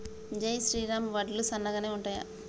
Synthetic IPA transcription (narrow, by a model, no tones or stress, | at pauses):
d͡ʒɐjsɾiːɾaːmʋɐɖlusɐnːɐɡaːneːuɳʈaːja̰